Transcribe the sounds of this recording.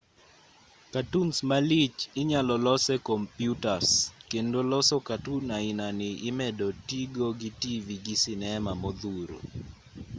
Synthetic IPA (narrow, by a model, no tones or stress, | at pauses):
katunsmalit͡ʃɪɲalɔlɔsɛkɔmpjutaskendolɔsɔkatunainanɪʔɪmɛdɔtiɡoɡitiviɡisɪnɛmamɔd̪uɾo̰